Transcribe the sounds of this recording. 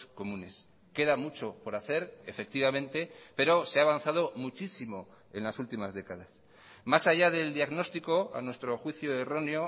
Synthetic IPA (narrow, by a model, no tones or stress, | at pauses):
sko̞mũne̞s | ke̞ðamut͡ʃo̞po̞ɾaθe̞ɾefe̞k̚t̪iβamẽ̞nt̪e̞pe̞ɾo̞seaːβan̟θað̞o̞mut͡ʃisimo̞ | e̞nlasult̪imazðe̞kaðas | masaʝaðe̞ld̪iaɣno̞st̪iko̞a̰nwe̞st̪ɾo̞xwiθjoero̞neo